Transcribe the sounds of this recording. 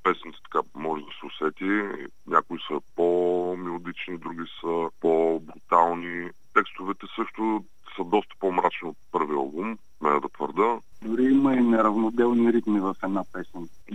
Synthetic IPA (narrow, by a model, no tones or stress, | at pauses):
pɛsnt̪sɛ̥t̪ɐ̥kamɔʒɛd̪ɐsɛʊsɛt̪i | nʲakʊisəpomilˠod̪it͡ʃnid̪ɾuɡʲisəpobɾut̪alˠni | t̪ɛkst̪ovɛt̪ɛsɤʃt̪o | səd̪ɔst̪ə̥pomɾat͡ʃniot̪̚pɤɾviəbum | mɛnɛd̪ɐt̪vəɾd̪əd̪ʊɾiiməinɛɾɐvnod̪ɛlˠniɾit̪mivəfɛd̪napɛsin